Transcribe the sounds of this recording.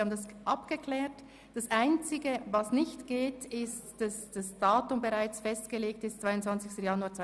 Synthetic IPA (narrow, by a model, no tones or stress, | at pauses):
ɑːbmn̩dasʔɑpɡ̥əkʰlɛːt | d̥asʔaɪnt͡sɪɡəvɑsnɪçtɡ̥eːtɪstd̥ɑsd̥asd̥aːtʊmbəʁaɪt͡sfɛstɡ̥əleːk̚tɪstt͡sv̥aɪʊntt͡sv̥ɑnt͡sɪstəjɑnuaːt͡s